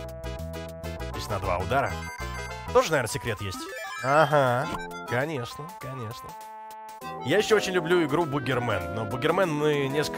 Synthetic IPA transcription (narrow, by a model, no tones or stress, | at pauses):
osʲtʲnɐd̪va̰ʊd̪aɾə̰ | t̪o̞ʐənɐvʲernəsʲɪkɾʲe̞t̪jesʲtʲaɦa | kɐnʲe̞ʂnəkɐnʲe̞ʂnə | jajɪɕːoot͡ɕɪnʲlʲʊblʲuɪɡɾubʊɡʲɪrmɛnːobʊɡʲɪrmɛnmɨnʲesk